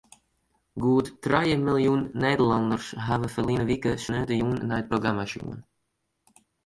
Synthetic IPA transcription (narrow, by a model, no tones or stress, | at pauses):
ɡuːd̪t̪ːɾajəmɪljuːnːeːd̪əland̪əɾsɦavəfəlinəvikəsnøːd̪əjuːnnajd̪̚pʰɾɔɡɾamaʃṵːən